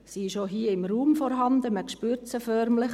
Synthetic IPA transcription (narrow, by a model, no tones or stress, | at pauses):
siʃoɦiːəɪmruːmfɔɾɦɑnd̪əməkʃpyɾt͡səfœɾmlɪχ